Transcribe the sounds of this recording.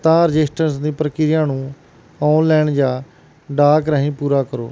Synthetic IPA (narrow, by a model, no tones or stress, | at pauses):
t̪ãːɾəd͡ʒɪsʈəɾsd̪ĩːpɾəkɪɾjãːnũː | ɔːunlɛːɳd͡ʒaː | ɖaːkɾəːɦĩːpuːɾaːkəɾo̰ː